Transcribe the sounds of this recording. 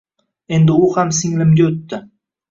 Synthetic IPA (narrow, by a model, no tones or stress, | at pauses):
e̞nd̪ɪʊhamsɪŋlɪmɡʲaɵt̪ːɪ